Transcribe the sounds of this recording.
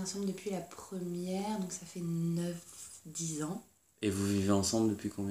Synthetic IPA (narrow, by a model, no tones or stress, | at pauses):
ɑ̃sɑ̃bld̪əpɥilapχəmjɛʁd̪ɔ̃ksafɛnœfd̪izɑ̃ | evuviveɑ̃sɑ̃bld̪əpɥikɔ̃bjɛ